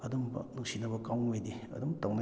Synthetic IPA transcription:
ɐd̪umbɐ̰nuŋsinɐbɐkawejdeɐ̰dumtawna

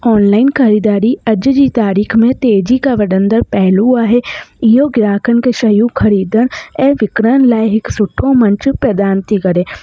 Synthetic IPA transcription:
ɔːnlaːɪnkʰɐɾiːd̪aːɾiɐd͡ʒd͡ʒit̪aːɾiːkʰmẽt̪eːd͡ʒikaʋɐɖə̃nd̪əɾpɛɦluaːɦejoːɡɾaːkʰənkeʃɐjukʰɐɾiːd̪əɽ̃ɛːʋɪkɾənlaːjɦɪksʊʈʰːõmə̃nt͡ʃpɾɐd̪aːnt̪ikɐɾeː

